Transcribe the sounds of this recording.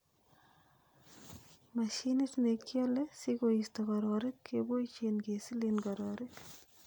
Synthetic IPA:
maʃinit̪nekːjɔlesikoist̪ɔkɔɾɔɾɪkːebojt͡ʃenkesilinɡɔɾɔɾɪk

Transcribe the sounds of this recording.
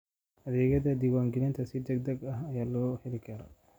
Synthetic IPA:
ɐd̪ɛːɡɐd̪ɐd̪iwaːŋɡɪlɪnt̪ʰɐsiːd̪ɐɡd̪ɐɡɐɦɐjaːlɔːħɪlɪkɐːɾɐ̰

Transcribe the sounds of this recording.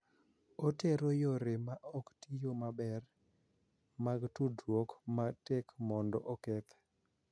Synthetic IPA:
oteɾojoɾemaʔɔktijomabɛr | maɡtudwokmatekmɔndɔ̰ʔokɛt̪

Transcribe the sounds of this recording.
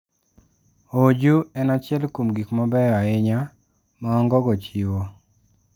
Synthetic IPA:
od͡ʒuɛnat͡ʃɪɛlkumɡikmɔbɛjɔaɪɲa | mɔːŋɡɔɡɔt͡ʃiwo

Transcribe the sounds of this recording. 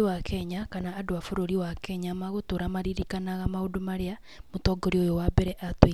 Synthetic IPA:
ewakʰɛɲakanaːdoafoɾoɾiwakɛɲamaɣotoːɾamaɾiɾikanaɣamaodomaɾea | motɔɡoɾiojowabɛɾɛʔatwi

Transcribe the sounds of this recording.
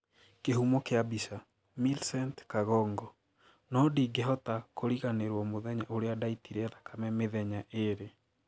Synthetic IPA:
keɦumɔkeabisa | milsɛntkaɣɔːŋɡɔ | nɔdiɡeɦɔtakʰoɾiɣaneɾwɔmoðɛɲaʔoɾeadaitiɾɛðakʰamɛmeðɛɲaʔeɾe

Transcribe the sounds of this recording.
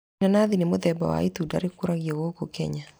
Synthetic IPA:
nanaðinemoðɛba̰wa̰it̪uda̰ɾekoɾaɣjɔɣokokɛ̰ɲa

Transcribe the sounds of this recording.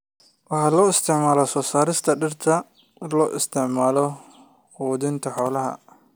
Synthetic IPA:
wɑħɑlɔːɪst̪ʰɪʕmaːlɔsɔːsaːɾɪst̪ʰɐɖɪrt̪ʰɐ | lɔːʔɪst̪ʰɪʕmaːlɔ | quːðɪnt̪ʰɐħɔːlɐɦɐ̰

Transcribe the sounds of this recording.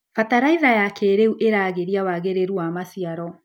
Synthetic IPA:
fataɾaiðajakeɾeuʔeɾaːɣeɾiawaɣeɾeɾuamasijaɾɔ

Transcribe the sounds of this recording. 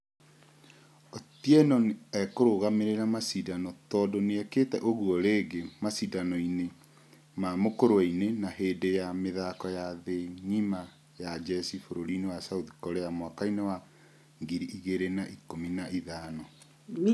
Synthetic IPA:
otiɛnɔnɛkoɾoɣameɾeɾamasidanɔtɔdoneɛketɛʔoɣuɔɾeːɡemasidanɔine | mamokoɾoainenaɦeːdejameðakɔjaðeɲima | jad͡ʒɛsifoɾoɾinewasauði̥kɔɾejamwakainewa | ŋɡiɾiʔiɣeɾenaʔikominaʔiðaːnɔ

